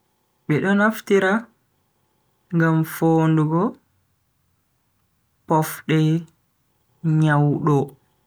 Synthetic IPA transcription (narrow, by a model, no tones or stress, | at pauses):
ɓɛɗɔnaftiɾa | ŋɡamfoːnduɡɔ | pɔfɗɛ | ɲawɗɔ